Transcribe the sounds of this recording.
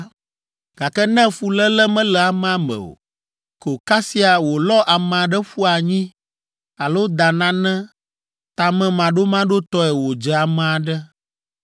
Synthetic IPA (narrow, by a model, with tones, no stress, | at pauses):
ɡ̥a˨kɛ˦nɛ̃˦fu˨lɛ˦lɛ˦mɛ̃˦lɛ˨a˨mɛ̃˦˨a˦mɛ̰̃˨o̰˨ | kə˨o˨ka˦si˦a˨wo˨lɔ˦ʔa˨m̃˨a˨ɖɛ˦ɸu˦a˨ɲĩ˦ | a˨lo˦d̪a˨nã˦nɛ̃˦ | t̪a˨mɛ̃˦mã˨ɖo˦mã˦ɖo˦t̪ɔ˦ɛ˨wo˨d͡ʒɛ˨a˨mɛ̃˨a˨ɖɛ˦